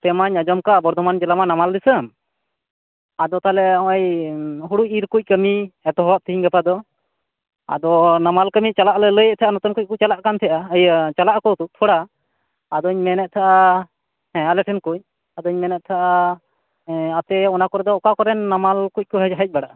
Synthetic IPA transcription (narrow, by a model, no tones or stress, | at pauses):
t̪ɛmaɲad͡ʒɔmkaʔbɔɾd̪ʱɔmand͡ʒɛlamanamald̪isəm | ad̪ɔt̪alɛɔ̃wajɦuɽuc̚iɾkuc̚kəmiɛt̪ɔɦɔwap̚t̪ʰiɦiɲɡapad̪ɔ | a̰d̪ɔnamalkəmit͡ʃalaʔlɛləjɛʔ̚t̪ʰɛʔanɔt̪ɔnkuc̚kuc̚t͡ʃalaʔkant̪ʰɛʔaəjət͡ʃalaʔkɔt̪uʔt̪ʰɔɽaː | d̪ɔɲmɛnɛt̪̚t̪ʰaʔa | hɛ̃alɛʈʰɛnkuc̚ | ad̪ɔɲmɛnɛʔ̪̚t̪ʰaʔa | at̪ɛɔnakɔɾɛd̪ɔːkakɔɾɛnːamalkuc̚kɔɦəɦəc̚baɽaʔa